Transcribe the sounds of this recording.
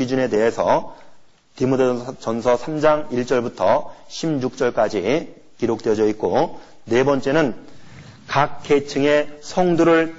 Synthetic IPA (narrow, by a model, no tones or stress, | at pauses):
id͡ʑune̞de̞ɦe̞sʰʌ | timudt͡ɕʌnsʰʌsʰamd͡ʑaŋiɭt͡ɕ͈ʌɭbutʰʌɕʰimjuk̚t͡ɕ͈ʌɭk͈ad͡ʑi | kiɾok̚t͈weʌd͡ʑʌik̚k͈o | ne̞bʌnt͡ɕ͈enɯn | kak̚kʰːet͡ɕʰɯŋe̞sʰʌŋduɾɯɭ